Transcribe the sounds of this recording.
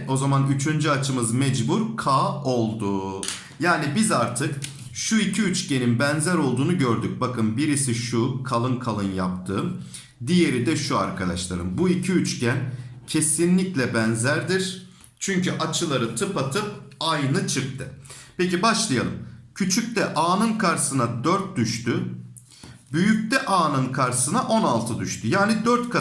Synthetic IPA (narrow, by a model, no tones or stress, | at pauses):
o̞zamanyt͡ʃʰynd͡ʒyat͡ʃʰɯmɯzmɛd͡ʒbuɾkʰaːo̞lˠd̪u | jaːnibizaɾt̪ʰɯk | ʃuicʰiyt͡ʃce̞ninbænzæɾo̞lˠd̪uːnuɟøɾd̪yc̚bakʰɯnbiɾisiʃukʰalˠɯnkʰalˠɯnjapt̪ʰɯːm | d̪ije̞ɾid̪ɛʃua̰ɾkʰad̪aʃlˠaɾɯmbuicʰiyt͡ʃcʰæncʰe̞sinlʲiclʲɛbænzæɾd̪iɾ̥ | t͡ʃʰyɲcyʔat͡ʃʰɯlˠaɾɯt̪ʰɯpat̪ʰɯp̚ajnɯt͡ʃʰɯk̚t̪ʰɯpecibaʃlˠɯjalˠɯmcʰyt͡ʃʰyc̚ʲt̪ɛʔaːnɯnkʰaɾsɯnad̪øɾt̪̚d̪yʃt̪y | byjyc̚ʲt̪ɛʔaːnɯnkʰaɾsɯnaʔo̞nalˠt̪ʰɯd̪yʃt̪ʰyjaːnid̪øɾt̪kʰa